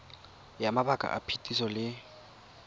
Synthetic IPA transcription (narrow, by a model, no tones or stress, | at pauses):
jamabakʼa̰ʔapʰetʼisɔlɪ